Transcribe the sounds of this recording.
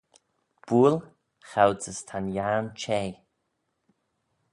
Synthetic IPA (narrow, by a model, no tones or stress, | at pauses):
b̥ul | xawt͡səst̪ʰanjaːnt͡ʃʰɛj